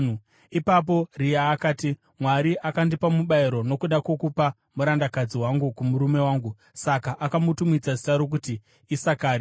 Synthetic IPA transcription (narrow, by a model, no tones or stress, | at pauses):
ipap̬o̞rijaːkaːti | mwaɾiʔakandipamuɓaiɾo̞no̞kuɗako̞kupa | muɾandakad͡ziwaŋɡukumuɾume̞waːŋɡu | sakaʔakamutumit͡saʐitaɾok̬utiː | sakaːɾi